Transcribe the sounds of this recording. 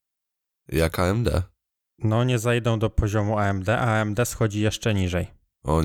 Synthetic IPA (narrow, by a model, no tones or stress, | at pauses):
jakʰaɛmd̪ɛ̰ | nɔɲɛzajd̪ɔ̃w̃d̪ɔpʰɔʑɔmuaɛmd̪ɛʔaɛmd̪ɛsxɔd͡ʑijɛʂt͡ʂɛɲiʐɛj | ɔ